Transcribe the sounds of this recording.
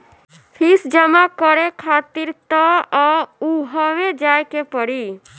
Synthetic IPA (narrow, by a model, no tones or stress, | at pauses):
pʰisd͡ʒəmakɔɾekʰat̪iɾt̪ɔɔuɦɔʋed͡ʒajkepɔɽi